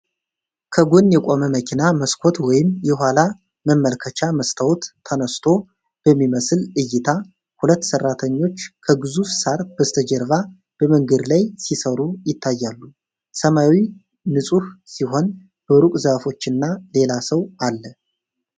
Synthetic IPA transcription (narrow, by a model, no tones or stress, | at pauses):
kʰəɡunjɛkʼo̞məməkʰinaməskʰo̞t̪wɔjɪmjɛɦʷwʷala | məmːəlkʰət͡ʃʰaməst̪ʰəwt̪ʰːənəst̪ʰo̞ | b̥əmːiməsɨlɨjːɪt̪ʰa | hulət̪ːsərːat̪ʰəɲːo̞t͡ʃːkʰəɡɨzufsaɾb̥əst̪ʰəd͡ʒəɾva | b̥əməŋɡəd̪lajsisəɾujɪt̪ʰːajːalːu | səmawi | nɨsʼuhsiɦo̞n | b̥əɾukʼzəfo̞t͡ʃːɪnːale̞lasəwalːə